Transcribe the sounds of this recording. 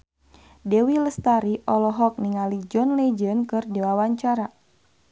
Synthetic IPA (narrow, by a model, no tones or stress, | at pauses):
dɛwiləst̪aɾiʔɔlɔɦɔk̚niŋalid͡ʒɔnled͡ʒənkɨrdewawaɲt͡ʃaɾa